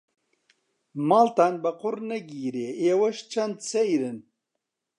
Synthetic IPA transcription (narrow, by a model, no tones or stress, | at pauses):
maːlt̪aːnbɐqʊɾnɐɡiːɾeːeːwɐʃt͡ʃʰɐnd̪sejɾɨn